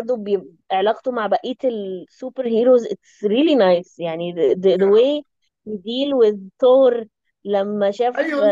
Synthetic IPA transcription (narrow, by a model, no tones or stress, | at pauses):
ɑɾˤd̪obeje | ʔeʕlɑːqt̪umaʕbæʔiːt̪elsuːpeɾɦiːɾozʔet̪sɾiːlinajsjaʕnid̪d̪əweː | jed̪iːlwɪðt̪ohɾ | læmːæʃæːf